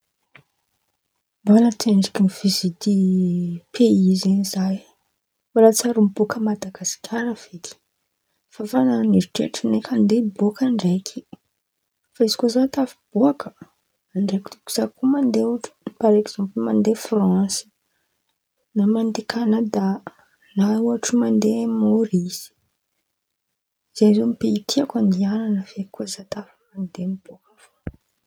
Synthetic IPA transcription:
balat̪eɳɖ͡ʐikinivizit̪i | pʰeizenizaj | waɾat͡saɾumbokəmad̪aɡasi̥kʲʰaɾəv̥et̪i̥ | fafananiɾiʈ͡ʂḛʈ͡ʂinekʰand̪ebokaɳɖ͡ʐekʰi̥ | faizi̥kozat̪afi̥b̥uakə̥ | aɳɖ͡ʐekit̪uku̥z̥akumand̪euʈ͡ʂu̥paɾeɡz̥ãmplumand̪efrãsi̥ | namand̪ikʰanad̪a | nauaʈ͡ʂumand̪emoɾiz̥i̥ | z̥enzomipeit̪ʰiakand̪iananəvekuəzat̪afəmand̪enib̥okəfo

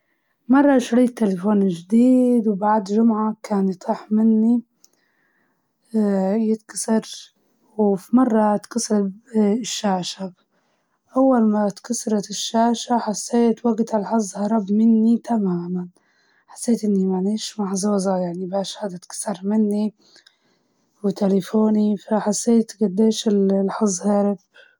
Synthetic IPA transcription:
mɑrˤːɑʃɾiːt̪ːelefoːnʒd̪iːd̪wbaʕd̪ʒʊmʕakaːnjt̪ˤiːħmɪnːi | jɪt̪kɑ̥sɑɾ | wfimɑrˤːɑt̪kɑsɾʃːaːʃab | ʔawːalmat̪kɑsɑɾˤɑt̪ɪʃːaːʃaħasːeːt̪waɡt̪alħɑzˤhɑɾˤɑbmɪnːit̪ʰamaːman | ħḁsːeːt̪ʔɪnːimaniːʃmaħzˤuːzˤɑjaʕnibaːʃhad̪ɪt̪kɑ̥sɑɾˤmɪnːi | wɪt̪elefoːnifaħasːeːt̪ɡad̪ːeːʃɪllħɑzˤhɑɾˤɑb

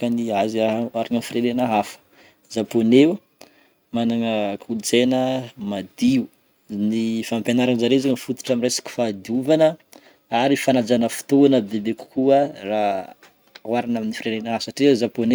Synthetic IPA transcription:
kəniazaaɾanənfiɾenenaɦafə̥ | zaponew | manaŋəkʰult͡senəmad̪iu | nifampenaɾanzaɾezaŋənifut̪u̥ʈ͡ʂamiresi̥ki̥fad̪iuvanə | aɾifanad͡zanəfu̥t̪oanəbebeku̥kuəra | waɾanaminifiɾenenaɦafsaʈ͡ʂiazapone

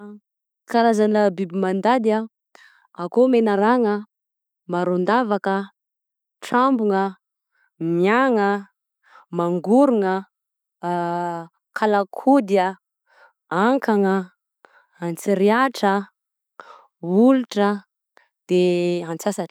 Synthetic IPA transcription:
kaɾazanəbibimand̪ad̪ia | akomenəɾaŋə | maɾond̪avakə | ʈ͡ʂambuŋə | miaŋə | maŋɡuɾuŋə | kʰalakʰud̪ia | aŋkaŋə | ant͡siɾiaʈ͡ʂə | uluʈ͡ʂə | d̪̥eant͡sasaʈ͡ʂ

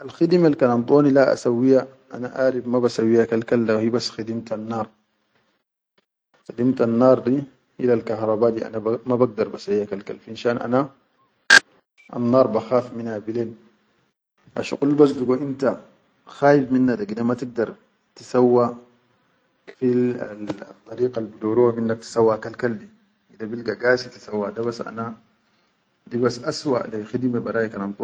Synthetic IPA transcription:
ʔalxid̪imalkalant̪ˤoːnilaʔa̰sawːija | ʔa̰naʔaːɾibmabasawːijakalkalːawhibasːxid̪imt̪anːɑːɾˤ | xad̪imt̪anːɑːɾˤd̪i | ʔilalkɑhɾˤɑbaːd̪iʔa̰namabaɡ̚d̪ɑɾˤbasawiakalka̰lfinʃaːnʔa̰na | a̰nːɑːɾˤbaxaːfminhabileːn | ʔa̰ʃṵqulːbas̬d̪uɡoʔint̪a | xaːjifminːad̪akid̪amat̪iɡ̚d̪ɑɾˤ | t̪i̥sawːa | kfila̰t̪ˤːɑɾiːqalbid̪oːɾuwaminːak̚t̪i̥sawːakalkaldi | ʔid̪abilɡaɡaːsit̪i̥sawːad̪aβasʔa̰na | dibasʔaswa̰ʔlixid̪imebɑɾaːjikanant̪ˤu

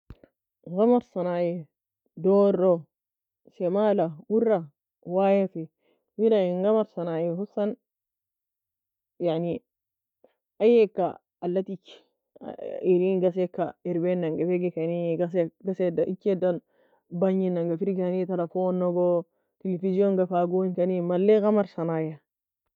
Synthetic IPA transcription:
ɣamaɾsanajɛ | dɔɾɔ | sɛmalamuɾa | wajafi | wiɾaiŋɡamaɾsanajɛɦusan | jaʕni | ajɛkːa̰ː | lːat̪ikːi̥̰ | iɾinɡas̬ɛkːaeɾbenːaŋɡafeɡikaniɡasɡasedʔikːedan | baɲinaŋɡafiɾɡianit̪alafonːoɡɔ | telefizionɡafaɡunkanimalːeɣamaɾsanaja

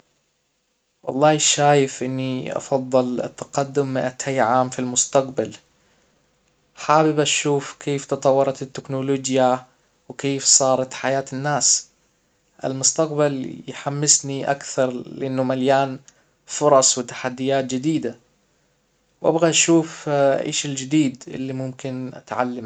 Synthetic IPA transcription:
wɑ̰lˤːɑːʃaːjɪfʔɪnːiʔɑ̰fɑðˤːɨlɪ̰t̪ːaqad̪ːʊmːɪʔat̪ʰajːʕaːmfilmʊst̪aqbal | ħaːbɪbaʃuːfkʰeːft̪ɨt̪ˤɑwːɑɾˤɑt̪ɪt̪ːɪknoloːd͡ʒja | wkeːfsˤɑːɾˤɑt̪ħajaːt̪ɪnːaːs | ʔɪ̰lmʊst̪aq̚baljħamːɪsniʔa̰kθɑɾˤlɪʔɪnːʊmaljaːn | fʊɾˤɑsˤwɪt̪ḁħad̪ːɪjaːt̪̚d͡ʒɪd̪iːd̪a | wʔa̰bɣaʔʃuːfʔɪ̰ːʃɪld͡ʒɪd̪iːd̪ɪ̰lːimʊmkɪnʔa̰t̪ʕa̰lːam

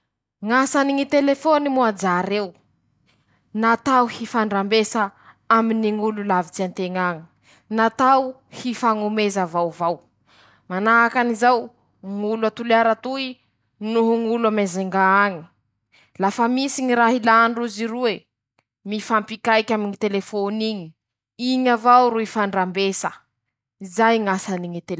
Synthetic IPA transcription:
ŋasaniŋit̪elefonimuad͡zaɾew | nat̪awhifaɳɖ͡ʐambesa | aminiŋululavit͡siant̪eŋaɲi̥ | nat̪aw | hifaŋumezəvawvaw | manaakanizaw | ŋuluat̪ulaɾat̪ui | nuɦuŋuluamezeŋɡaaŋi̥ | lafəmisiɲiɾaɦilaɳɖ͡ʐuziɾue | mifampikajkʲamiɲit̪elefoniɲi̥ | iɲavawɾuifaɳɖ͡ʐambesə | izajŋasaniŋit̪el

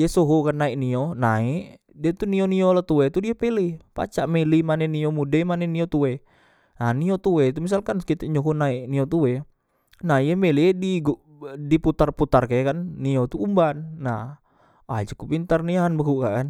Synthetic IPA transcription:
iɛsoɦokanːaiʔnionaiʔ | diet̪unioniolat̪uet̪udiɛpelipa̰t͡ʃaʔmelimanɛniomudemanɛniot̪uwe | naniot̪uwɛt̪umis̬alkankit̪ɛʔɲoɦunaiʔniot̪uwe | naɦjɛmelidiɡuʔ | diput̪arput̪arkajakanːiot̪uumbanːah | a̰d͡ʒəkupint̪arniaɦanbaɦuʔkaʔkan

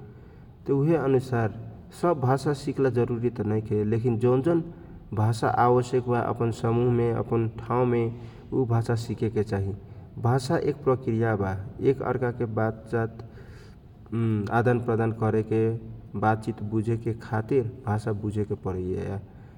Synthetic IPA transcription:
t̪ɔuɦeənusaɾ | səbːʱasasiklad͡ʒəɾuɾit̪nəjkʰelekind͡ʒənd͡ʒən | bʱasa̰ʔaβəsjəkbaʔə̰pənsəmuɦmeə̰pənʈʰaũme | ubʱasasikeket͡ʃaɦibʱasaʔek̚pɾəkɾijabaekə̰ɾkakebat̪t͡ʃat̪ | a̰d̪anpɾəd̪ankəɾekebat̪̚t͡ʃit̪bud͡ʒʱekekʰat̪iɾbʱasabud͡ʒʱekepəɾəjḛa̰

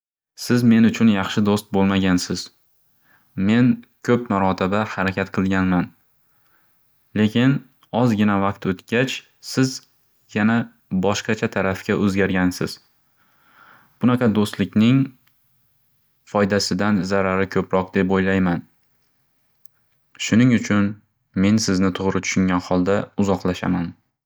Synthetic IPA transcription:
sɪzme̞nʊt͡ʃʰʊnjɑχʃɪd̪ost̪̚bolˠmaɡʲansɪz̥ | me̞nkʲʰɵpmaɾɒt̪ʰɪbahaɾakʲʰat̪qʰɨlˠɡʲanman | le̞kʲʰɪn | ɒzɡʲɪnavaq̚t̪ot̪ɡʲat͡ʃ | sɪz | jana | bɒʃqɑt͡ʃʰat̪ʰaɾafkʲaʔɵzɡʲaɾɡʲansɪ̰z̥ | b̥ʊnaqʰɑd̪ost̪lɪkʲnɪŋ | fɒjd̪asɪd̪anzaɾaɾɪkʰɵpɾɒq̚d̪e̞pojlajman | ʃʊnɪŋʊt͡ʃʰʊn | me̞nsɪznɪt̪ʰʊʁɾɪt̪ʰʊ̥ʃʊŋɡʲanhɒlˠd̪aʊzɒqlˠaʃa̰man

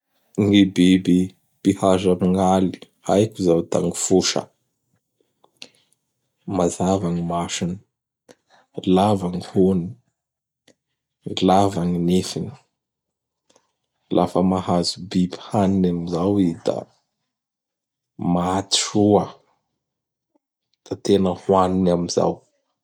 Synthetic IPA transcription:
ŋebebi | b̥ihaʒamiŋali̥ | a̰jkuzawt̪aŋifuʃə̰ | mazavaŋimaʃini | lavaŋihoni | ilavaŋinefini̥ | lʔafəmahazubibhaninamizawid̪a̰ | maat̪irua | d̪̥at̪enəhwaninamiza̰w

